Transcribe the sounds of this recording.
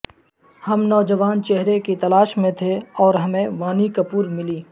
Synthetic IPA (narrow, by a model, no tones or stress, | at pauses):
hɐmnɔːd͡ʒəʋaːnt͡ʃɛɦɾekit̪ɐlaːʃmẽt̪ʰeɔːɾɦɐmẽʋaːnikɐpuːɾmɪliː